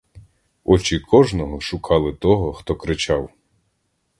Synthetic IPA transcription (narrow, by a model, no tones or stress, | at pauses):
ɔt͡ʃikʰɔʒnɔɦɔʃʊkʰɑlˠɪt̪ɔɦɔxt̪ɔkɾɪt͡ʃɑw